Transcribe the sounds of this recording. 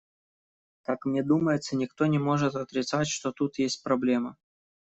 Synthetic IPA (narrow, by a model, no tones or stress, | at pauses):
kakmnʲed̪uməjɪt̪sənʲɪkt̪o̞nʲɪmo̞ʐɨt̪ɐt̪ɾʲɪt̪satʲʂt̪o̞t̪ut̪jesʲt̚ʲpɾɐblʲe̞mə